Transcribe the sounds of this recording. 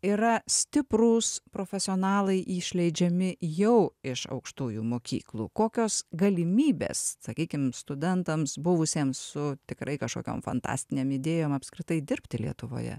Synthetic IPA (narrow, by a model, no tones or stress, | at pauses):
iɾɐsʲt̪ʲɪpɾuːspɾoːfʲɛsʲɪoːnɑːlˠɐɪʔiːʃʲlʲɛɪd͡ʒʲɛmʲɪjɛʊɪʃɐ̰ʊkʃt̪uːjuːmoːkʲḭːklˠuːkoːkʲoːsɡɐlʲɪmʲiːbʲḛːssɐkʲiːkʲɪmst̪ʊd̪ʲɛnt̪ɐmsbʊʋʊsʲeːmssʊt̪ʲɪkɾɐɪkɐʃko̰ːkʲo̰ːmfɐ̰nt̪ɑ̰ːsʲt̪ʲɪnʲeːmɪd̪ʲeːjoːmɐpskɾʲɪt̪ɐɪd̪ʲɪɾʲpʲt̪ʲɪlʲiɛt̪ʊʋo̰ːjɛ̰